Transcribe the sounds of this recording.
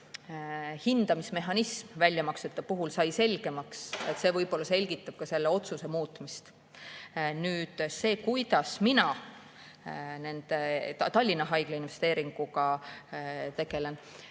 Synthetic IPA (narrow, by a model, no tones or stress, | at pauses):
hind̪̥ɑmisme̞ɦɑnismvælʲjɑmɑkset̪ːˑɑpuɦulsɑjse̞lʲɡ̥e̞mɑkset̪ːˑse̞ːvɤjbo̞lːɑse̞lʲɡ̥it̪ːˑɑb̥̚kɑse̞lːeo̞t̪suse̞muːt̪ːˑmist̪ | nyːd̪̥se̞ːkujd̪̥ɑsminɑ | ne̞nd̪̥et̪ɑlʲːinːɑɦɑjɡ̥leinve̞st̪e̞ːɾiŋɡ̥ukɑ | t̪e̞ɡ̥e̞le̞n